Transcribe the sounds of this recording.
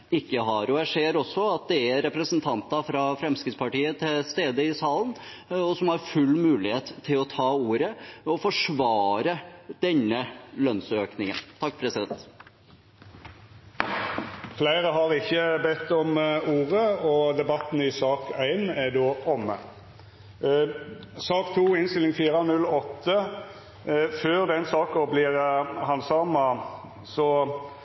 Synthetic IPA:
ɪkːəɦɑɾɔæʂeːɾɔsːɔɑt̪̚d̪ɛæɾɛpɾəsənt̪ʰɑnt̪ɑfɾɑfɾɛmskɾɪt̪spɑʈiːət̪ʰɪlst̪eːd̪əɪsɑːlən | ɔsɔmhɑɾfʉlːmʉːlɪheːt̪ʰːɪlɔt̪ʰɑːuːɾəɔfɔʂʋɑːɾəd̪̥ɛnːəlœnsøːknɪŋə̰nt̪ʰɑk̚ːpʰɾɛsɪd̪ɛnt̪ | flæɪʁəɦɑʁɪçːəbɛt̪ːɔmuːʁəɔd̪ɛbɑt̪ːn̩ɪsɑːkʰæɪnæd̪oːɔmə̰ | sɑːkt̪ʰuːɪnst̪ɪlɪŋfiːʁɑnʉlɔt̪ːə | føːʁd̪ɛnsɑːkɔblɪːʁhɑnsɑːmɑ | sɔ

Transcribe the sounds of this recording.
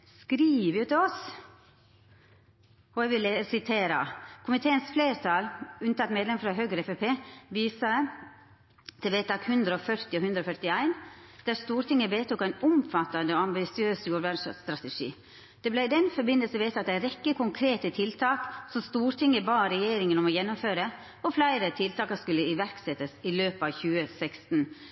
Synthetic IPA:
skɾiːʋjʊt̪ɪɔs | ɔæʋɪləsɪt̪ʰeːɾə̰kʰʊmɪt̪ʰeːənsfleːɾt̪ʰɑlʉnət̪ʰɑt̪meːd̪lɛmfɾɑɦøːɡɾəɛfɛpʰeːʋiːsɑ | t̪ʰɛbeːt̪ɑːkhʉnd̪ɾəɔfœɾt̪ɪɔhʉnd̪ɾɔfœɾt̪ɪæɪnd̪̥æɾst̪uːɾʈ̪ɪŋːəbeːt̪uːkæɪnʊmfɑt̪ːɑnd̪əɔɑmbɪsɪøːsjuːʋæɖʂst̪ɾɑt̪əʂḭː | d̪̥ɛblæɪd̪ɛnfɔɾbɪnəlsəʋeːt̪ʰɑt̪æɪɾɛkːəkʊŋkʰɾeːt̪ət̪ʰɪlt̪ʰɑːksɔmst̪uːɾʈ̪ʰɪŋːəbɑːɾɛjeːɾɪŋənɔmɔjɛnːʊmføːɾə | ɔflæɪɾət̪ʰɪlt̪ʰɑːkɑskʉlːəɪʋæɾksɛt̪ːəsɪløːpɑʋçʉːəsɛkst̪n̩

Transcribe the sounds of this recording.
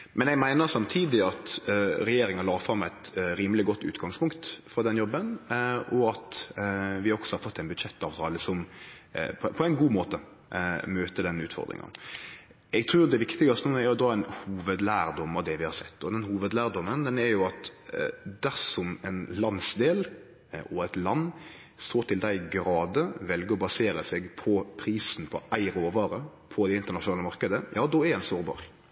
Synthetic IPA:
mʔɛnɛɡmæɪnəɾsɑmt̪ʰiːd̪ɪɑt̪ɾɛjeːɾɪŋɑlɑːɾfɾɑmːɛt̪ɾiːməlɪɡɔt̪ːʉ̰ːt̪ɡɑŋspʊŋkt̪fɾɑd̪ɛnjɔbːənɔɑt̪ | ʋɪɔksɔhɑɾfɔt̪ːɛɪnbʉd̪ʂɛt̪ːɑːʋt̪ʰɑːləsɔm | pʰɔpʰɔɛɪnɡuːmoːt̪ə | møːt̪əd̪ɛnʉ̰ːt̪fɔ̰ɾd̪ɾɪ̰ŋɑ̰n | ɛɡ̚t̪ʰɾʉːɾd̪ɛʋɪkt̪ɪɡɑst̪nuɛɾɔd̪ɑɛnhuːʋəd̪læːɾd̪ɔmːɑʋd̪ɛʋɪhɑsɛt̪ːɔd̪ɛnhuːʋəd̪læːɾd̪ɔmːənd̪ɛnæɾjʊɑt̪ | d̪æɾsɔmɛɪnlɑnsd̪eːl | ʔɔæt̪lɑnː | st̪oːt̪ʰɪld̪æɪɡɾɑːd̪əʋɛlɡəɔbɑseːɾəsɛɡpʰɔpʰɾiːsn̩pʰɔʔæɪɾoːʋɑːɾəpʰɔd̪ɛɪnt̪əɾnɑʃʊnɑːləmɑɾkəd̪əjʔɑːd̪ɔɛɾɛnsoːɾbɑ̰ːɾ

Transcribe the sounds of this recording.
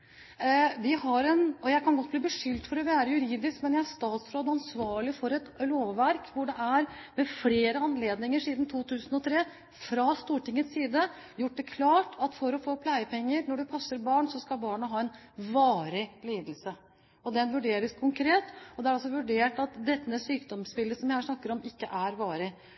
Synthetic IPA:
ʋɪɦɑɾɛnɔjæɪkʰɑnɡɔt̪̚ːbliːbəʂʏlt̪fɔɾɔʋɪæːɾəjʉɾiːd̪ɪskmɛnjææʂt̪ɑːt̪sɾoːd̪ɑnsʋɑːɭɪfɔɾɛt̪loːʋːæɾkʰʋʊɖɛʔæɾmɛfleːɾəɑnleːd̪nɪŋəɾʂiːd̪n̩t̪ʰuːt̪ʰʉːsn̩ɔt̪ʰɾeː | fɾɑst̪uːʈɪŋːət̪siːd̪ə | jʊʈ̚ːd̪ɛkʰlɑːʈʰɑt̪fɔɾɔfoːpʰlæɪəpʰɛŋːəɾnɔɖɛpʰɑsːəɾbɑːɳsɔskɑlbɑːɳəɦɑːɛn | ʋɑːɾɪliːd̪əlsə | ɔd̪ɛnʋʉɖeːɾəskʰʊŋkʰɾeːt̪ɔd̪ɛæɾɑsɔʋʉɖeːʈɑt̪d̪ɛt̪ːəəsyːkd̪ɔmspɪlːəsɔmjæɪhɑːʂnɑkːəɾɔmɪkːəʔæɾʋɑːɾɪ

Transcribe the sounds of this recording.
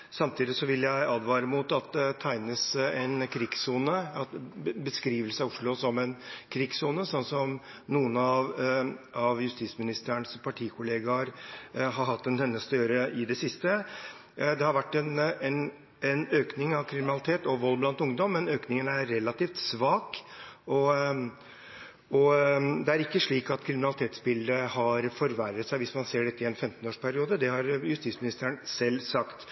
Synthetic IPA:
sɑmt̪ʰiːd̪ɪsɔʋɪlːjæɪɑːd̪ʋɑːɾəmʊt̪ɑt̪̚d̪ɛt̪ʰæɪnəsɛnkʰɾɪɡsuːnəɑbəskɾiːʋəlsəɑʊʂɭʊsɔmɛnkʰɾɪɡsuːnəsɔnːsɔm | nuːənɑʋ | ɑʋjʉst̪it̪smɪnɪst̪əəɳspʰɑʈʰiːkʰʊleːɡɑɾɦɑɾɦɑt̪ːɛnt̪ɛnːəst̪øːɾəɪd̪ɛsɪst̪ə | d̪ɛhɑɾʋæʈːɛnɛn | ɛnøːknɪŋɑʋkʰɾɪmɪnɑlɪt̪ʰeːt̪ɔʋʋɔlːblɑnt̪ʊŋd̪ɔmːɛnøːknɪŋənæɾɾɛlɑt̪iːft̪sʋɑːkɔ | ɔd̪ɛæɾɪkːəʂɭiːkɑt̪kʰɾɪmɪnɑlɪt̪ʰeːt̪sbɪld̪ɾəhɑɾfɔɾʋæɾət̪sæɪʋɪsmɑnseːɖɛt̪ːəɪɛnfɛmt̪ənoːʂpʰæɾɪuːd̪əd̪ɛhɑɾjʉst̪iːt̪smɪnɪst̪əənsɛlːsɑkt̪

